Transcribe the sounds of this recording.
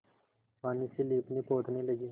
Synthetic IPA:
paːniːseːliːpniːpoːt̪ʰnĩːləɡiː

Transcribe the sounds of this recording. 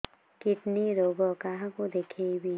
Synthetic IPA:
kɪʈniɾoːɡɔkaɦãkod̪eːkʰebʱiː

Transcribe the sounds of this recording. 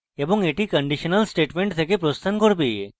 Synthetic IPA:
ebɔŋeʈikəɳɖiʃənəlsʈeʈmẽɳʈt̪ʰekepɾost̪ʰankɔɾbe

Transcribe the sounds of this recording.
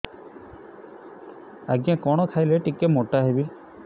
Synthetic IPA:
aɡjãkɔɽ̃ɔkʰajleʈikemɔʈaɦebil

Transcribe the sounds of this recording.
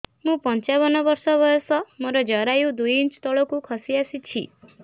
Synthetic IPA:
mũpɔnt͡ʃaβɔnɔbɔɾsɔbɔjɔsɔmɔɾɔd͡ʒɔɾajud̪ujint͡ʃt̪ɔɭɔkukʰɔsiasit͡ʃʰḭ

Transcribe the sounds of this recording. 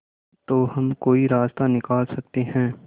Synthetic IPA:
t̪oːɦɐmkoːiɾaːst̪anɪkaːlsɐk̚t̪eɦɛ̃ː

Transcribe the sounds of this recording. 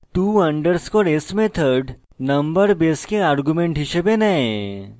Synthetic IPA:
t̪uːɐɳɖəɾskoɾesmẽt̪ʰəɾɖ | nɐmbəɾbeskeaɾɡumẽɳʈɦɪʃebenɐe

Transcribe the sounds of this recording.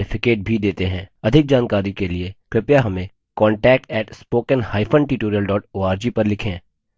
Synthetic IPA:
ɪfʰɪkeːʈ̚bʱid̪eːt̪eɦɛ̰̃ɐd̪ʱɪk̚d͡ʒaːnkaːɾikeliekɾɪpjaɦɐmẽ | kɔːɳʈɛːk̚ʈɛːʈspoːkənhaːɪfʰə̃nʈɪʈoːɾiəlɖɔːʈoːaːɾd͡ʒipɐɾlɪkʰẽː

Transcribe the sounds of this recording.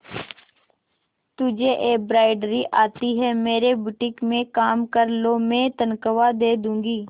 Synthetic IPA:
t̪ʊd͡ʒʱeʔeːk̚bɾaːɪɖɾiʔaːt̪iɦɛmeːɾebʊʈɪkmẽkaːmkəɾlomɛ̃ːt̪ənkəʋad̪eːd̪ũːŋɡiː

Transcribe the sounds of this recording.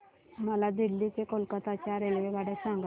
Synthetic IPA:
məlad̪ilːiːt͡sekolkət̪at͡ɕjaɾelʋeʋaɽasaŋɡ

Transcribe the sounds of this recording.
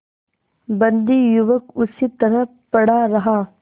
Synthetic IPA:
bɐ̃nd̪ijʊʋəkʊsiːt̪ɐɾə | pɐɽaɾɐɦaː

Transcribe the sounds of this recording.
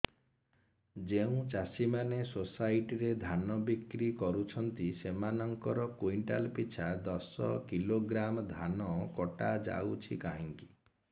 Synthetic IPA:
d͡ʒeũt͡ʃasimanesosajʈiɾed̪ʱanɔbikɾikɔɾut͡ʃʰɔnt̪isemanɔŋkɔɾɔkuiɳʈa̰lpit͡ʃʰad̪ɔsɔ̰kiloɡɾamɔd̪ʱanɔkɔʈad͡ʒa̰wt͡ʃʰikaɦiŋki̥

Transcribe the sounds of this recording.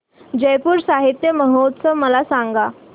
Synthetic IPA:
d͡ʑəjpuːɾsaɦit̪jəməɦot̪səʋməlasãŋɡa

